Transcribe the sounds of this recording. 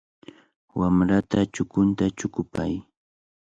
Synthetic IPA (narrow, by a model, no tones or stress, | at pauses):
wamɾat̪at͡ʃʊkʊnt̪at͡ʃʊkʊpaj